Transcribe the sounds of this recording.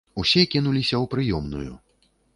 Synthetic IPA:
usʲɛkʲinulʲisʲɐwpɾɨjɔmnṵjṵ

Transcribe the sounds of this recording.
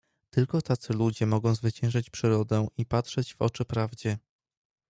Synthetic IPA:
t̪ɘlkɔt̪at̪sɘlud͡ʑɛmɔɡɔ̃w̃zvɘt͡ɕɛ̃w̃ʐat͡ɕpʂɘɾɔd̪ɛʔipatʂɛd͡ʑvɔ̰t͡ʂɘpɾavd͡ʑɛ

